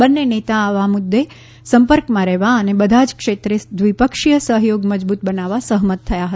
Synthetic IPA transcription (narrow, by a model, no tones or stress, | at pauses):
bənːenet̪aːʋamʊd̪ːe | səmpəɾkmãɾɛɦʋaənebəd̪ʱad͡ʒkʃet̪ɾed̪ʋipəkʂijəsəɦjoɡməd͡ʒbut̪̚bənaʋasəɦmət̪ʰːəjaɦə